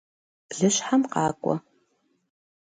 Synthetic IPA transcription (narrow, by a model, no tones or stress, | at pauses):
b̥ɮɨɕħamqɑːkʷʼɔ̰